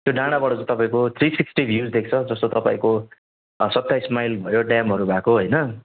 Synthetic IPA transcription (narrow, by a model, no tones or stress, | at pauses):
t̪joɖãɽ̃abʌʈʌd͡zũt̪ʌpaĩkot̪ʰrisiksʈibʱjud͡zd̪ek̚ʰt͡sʰʌd͡zʌst̪ot̪ʌpa̰ĩko | sʌt̪ːajsmajlbʱʌjoɖjamɦʌɾubʱakoɦʌjnʌ